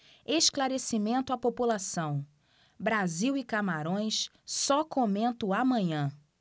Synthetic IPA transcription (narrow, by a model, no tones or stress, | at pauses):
eʃklaɾesimẽnt̪ʊapopulasɐ̃w̃ | bɾaziwɪkamaɾõj̃s | sɔkomẽnt̪ʊamɐ̃ɲɐ̃